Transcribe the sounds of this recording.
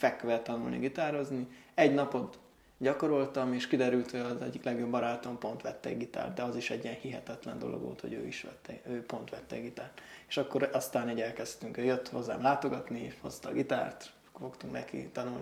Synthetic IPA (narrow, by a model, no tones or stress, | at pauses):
fɛkːøʋɛt̪ːɒnulnḭɡit̪aːɾo̞zniɛɟnɒpo̞t̪ | ɟɒko̞ɾo̞lt̪ɒmeːʃkid̪ɛɾylt̪hoɟɒzɛɟːiklɛɡjo̞bːɒɾaːt̪ompo̞nt̪ʋɛt̪ːɛ̰ɡɡit̪a̰ːrd̪d̪ɛɒziʃɛɟiɛnhiɦɛt̪ɛt̪lɛnd̪o̞lʔo̰ɡʋo̰ːlt̪ho̰ɟø̰ːiʃʋɛ̰t̪ːɛøːpo̞nt̪ʋɛt̪ːɛ̰ɡit̪aːrt̪e̥ʃɒkːo̞ɾɒst̪aːniːɟɛlkɛst̪yŋkøːjøt̪ːho̞zːa̰ːmlaːt̪o̞ɡɒt̪niʃho̞st̪ɒɡit̪a̰ːrt̪ | fo̞kt̪uŋknɛ̰kḭt̪ɒnuln